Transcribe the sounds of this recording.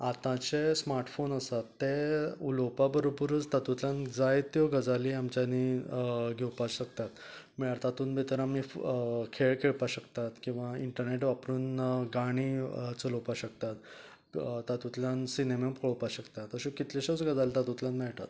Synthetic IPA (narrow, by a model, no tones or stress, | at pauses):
at̪ãt͡ɕesmaɾʈfonəsat̪ːeulopabəɾobəɾət͡st̪at̪ut̪ljãnd͡zajt̪jɔɡəd͡zaliːamt͡ɕjaniɡʱewpaɕəkt̪at̪miɭaɾt̪at̪uːnbʱet̪əɾamikʰeɭkʰeɭpaɕəkt̪at̪kĩw̃ʋaiɳʈəɾneʈʋapɾuːnɡaɽ̃it͡səlopaɕəkt̪at̪ | t̪at̪ut̪ljansinemepʰoɭpaɕəkt̪at̪əɕekit̪leɕət͡sɡəd͡zalt̪at̪ut̪ljanmɛɭt̪a̰t̪